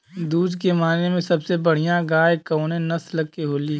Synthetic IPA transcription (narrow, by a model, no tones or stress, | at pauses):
d̪uːd͡ʒkemaːnemẽsɐbsebəɽ̤ijãɡaːjkɐʊnẽnɐsləɡkeɦoːli